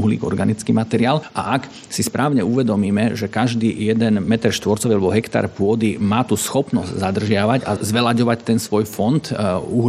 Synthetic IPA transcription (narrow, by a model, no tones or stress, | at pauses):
uɦlḭːɡɔ̰ɾɡanit͡skiːmat̪ɛɾɪaːlʔa̰ʔak | sispɾʔaːʊɲɛuʋɛd̪ɔmiːmɛʒɛkaʒd̪iːjɛd̪ɛnmɛt̪ɾɛʃt̪ʋɔɾt͡sɔʋialɛbɔɦɛkt̪a̰ɾpʊɔd̪imaːt̪usxɔpnɔzɟzad̪r̩ʒɪaʋaɟa̰zʋɛlaɟɔʋact̪ɛnsʋɔjfɔnt̪uɦ